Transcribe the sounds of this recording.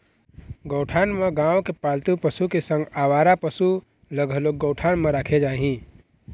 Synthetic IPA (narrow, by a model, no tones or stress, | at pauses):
ɡəʊʈʰaːnmẽɡãːwkepaːlt̪upəsukesə̃ŋɡaːʋaːɾapəsu | ləɡʱəloɡəːʈʰaːnmẽɾaːkʰed͡ʒaːɦĩ